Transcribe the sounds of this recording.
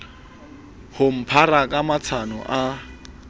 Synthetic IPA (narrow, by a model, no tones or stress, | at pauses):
hʊm̩pʰarakʼamat͡sʰanɔ̰ʔa